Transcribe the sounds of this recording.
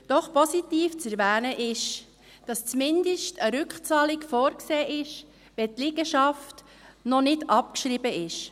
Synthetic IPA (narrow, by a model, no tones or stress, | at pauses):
d̥ɔχpɔsitiːft͡sɛɾʋɛːnəʔɪʃ | d̥ɑst͡smɪndəʃtʰəɾʏkχt͡sɑːlɪkfɔːɾkseːʔɪʃ | ʋɛt̪lɪɡəʃɑft | nɔnɪdɑp̚kʃɾibəʔɪʃ